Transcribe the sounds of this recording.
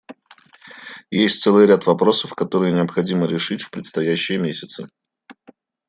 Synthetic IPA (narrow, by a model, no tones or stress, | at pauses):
jesʲtʲt̪sɛlˠɨjɾʲat̪vɐpɾo̞səfkɐt̪o̞ɾɨjənʲɪəpxɐdʲiməɾʲɪʂɨtʲfʲpɾʲɪt̪st̪ɐjæɕːɪjəmʲesʲɪt̪sɨ